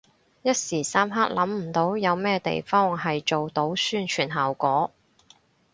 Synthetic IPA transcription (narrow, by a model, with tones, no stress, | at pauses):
jɐ˥t̚siː˨˩saː˥mɦaː˥k̚lɐ˨˥mm̩˨˩t̪o˨˥wjɐ˨˧wmɛː˥t̪ḛ˨jfɔː˥ŋɦɐ˨jt͡ʃo˨wt̪o˨˥wsyː˥nt͡ʃʰyː˨˩nɦaː˨wkʷɔː˨˥